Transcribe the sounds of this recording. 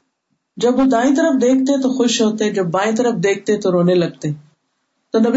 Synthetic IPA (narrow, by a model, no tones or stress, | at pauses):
d͡ʒɐbud̪aːĩːt̪əɾəfd̪eːk̚ʰt̪et̪oxʊʃɦoːt̪ed͡ʒɐbːaːĩːt̪əɾəfd̪eːk̚ʰt̪et̪oɾoːnelɐɡ̚t̪eː | t̪ɐnɐb